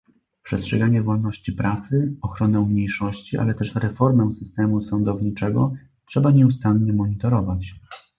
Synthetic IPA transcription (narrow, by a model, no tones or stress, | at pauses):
pʂɛstʂɛɡaɲɛvɔlnɔɕt͡ɕipɾasɘɔxɾɔnɛmɲejʂɔɕt͡ɕiʔa̰lɛt̪ɛʂɾɛfɔɾmɛsɘst̪ɛmusɔnd̪ɔvɲit͡ʂɛɡɔ | tʂɛbaɲɛust̪anɲɛmɔɲit̪ɔɾɔvat͡ɕ